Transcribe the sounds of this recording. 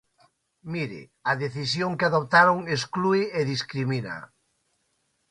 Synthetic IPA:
miɾɪ̰ | ɐðeθisjoŋkɪaðop̚t̪aɾoŋeskluieðiskɾimina̰

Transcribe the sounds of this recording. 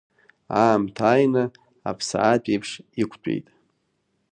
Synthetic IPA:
aːmtʰaːjnɨ | a̰pʰsa̰apʼejpʰʂikʷʰt͡ʃʷʼḛjtʼ

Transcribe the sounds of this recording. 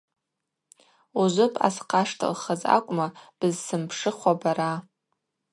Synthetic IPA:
uzʷʊpʼa̰sqʰaʂtʰɨ̰lχaza̰kʷʼmab̥ɨzsɨmpʰʂɨχʷabaɾa

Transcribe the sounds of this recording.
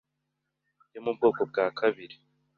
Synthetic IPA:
jomub̚ɡo̞ːkob̚ɡaːkʰaβiɾi

